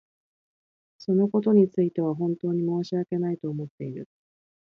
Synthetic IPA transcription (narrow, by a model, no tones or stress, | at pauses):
so̞no̞ko̞t̪o̞ɲ̟it͡sɨit̪e̞β̞aɦõ̞nt̪o̞ːɲ̟imo̞ːɕiake̞nait̪o̞ːmo̞t̪ːe̞iɾɯ̟̰